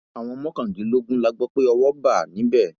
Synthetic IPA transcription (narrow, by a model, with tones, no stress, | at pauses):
a˨w̃ɔ̃˧mɔ̃˦kã˦˨di˨˦lo˦ɡũ˦la˧ɡ͡bɔ˦k͡pe˦ɔ˧wɔ˦ba˦˨nĩ˨˦bɛ˦˨